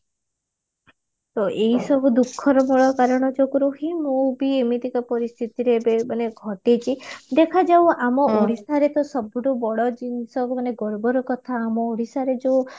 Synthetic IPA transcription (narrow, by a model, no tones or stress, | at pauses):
t̪oʔeɦisɔbʱud̪ukʰːɔɾɔbɔɭɔkaɾɔɽ̃ɔd͡ʒokuɾuɦimũbiemit̪ikapɔɾist̪ʰit̪iɾebemaneɡʱɔʈet͡ʃʰid̪ekʰad͡ʒawamɔoɽ̤isaɾet̪ɔsɔbuɖubɔɭɔd͡ʒinsɔbmaneɡɔɾbɔɾɔkɔt̪ʰaːmɔoɽisaɾed͡ʒew